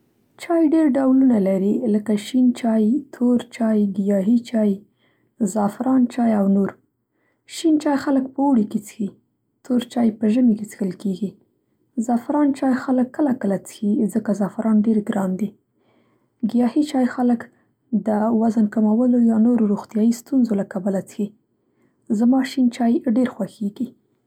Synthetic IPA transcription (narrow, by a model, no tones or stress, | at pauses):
t͡ʃɑjɖeɾɖawlunalaɾiləkaʃint͡ʃɑjt̪ʰoɾt͡ʃɑjɡɪjɑɦit͡ʃɑj | zɑfɪɾɑnt͡ʃɑjawnoɾ | ʃint͡ʃɑjxaləkpəoɽiket͡sə̥xi | t̪ʰoɾt͡ʃɑjpəʒəmeket͡sə̥xəlkeɡi | zɑfɾɑnt͡ʃɑjxaləkːəlakəlat͡sə̥xizəkazɑfɪɾɑnɖeɾɡɾɑnd̪i | ɡijɑhit͡ʃɑjxalək | d̪əwazənkamawəlojɑnoɾoɾoxt̪jɑjist̪unzolakabalat͡sə̥xi | zamɑʃint͡ʃɑjɖeɾxwaxeɡi